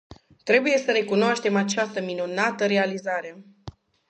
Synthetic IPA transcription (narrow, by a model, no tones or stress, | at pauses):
t̪ɾe̞buje̞səɾe̞kunoaʃt̪e̞mat͡ʃast̪əminunat̪əɾe̞alizaɾe̞